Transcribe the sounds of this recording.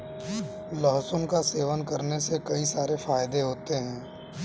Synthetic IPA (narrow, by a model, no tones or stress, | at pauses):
lɔɦsʊ̃mkaseːʋənkɐɾnesekɐisaːɾefaːjd̪eɦoːt̪eɦɛ̃ː